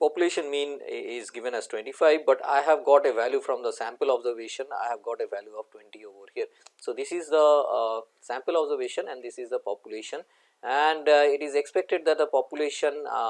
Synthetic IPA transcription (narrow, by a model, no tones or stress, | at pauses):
pɔpjʊleːʃə̃nmĩːnɪzɡɪʋə̃næz̥ʈwɛ̃ɳʈifaɪʋbʌʈa̰ɪɦæʋɡɔːʈeʋæljufɾɔ̃md̪əsæ̃mpəlɔbzəɾʋeːʃə̃na̰ɪhæʋɡɔːʈeʋæljuɔʋʈwɛ̃ɳʈioːʋəɾhiəɾsoːd̪ɪsɪzd̪ə | sæ̃mpəlɔbzəɾʋeːʃə̃nɛ̃ɳɖd̪ɪsɪzd̪əpɔpjʊleːʃə̃n | æ̃ɳɖɪʈɪzekspɛk̚ʈɪɖ̚d̪æʈ̚d̪əpɔːpjuleːʃə̃n